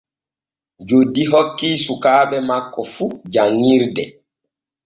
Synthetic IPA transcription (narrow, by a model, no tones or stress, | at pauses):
d͡ʒodːiɦokːiːsukaːɓɛmakːɔfud͡ʒaŋːiɾdɛ